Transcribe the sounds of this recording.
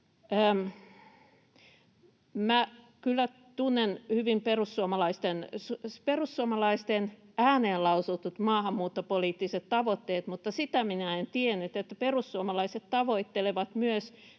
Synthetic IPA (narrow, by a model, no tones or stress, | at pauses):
mæ | kylːæ | t̪unːenhyʋimperusːuomɑlɑist̪ensuperusːuomɑlɑist̪enæːneːlɑusut̪ut̪mɑːhɑmːuːt̪ːopoliːt̪ːiset̪t̪ɑʋot̪ːeːt̪mut̪ːɑsit̪æminæent̪ienːyt̪et̪ːæperusːuomɑlɑiset̪t̪ɑʋoit̪ːeleʋɑt̪myøs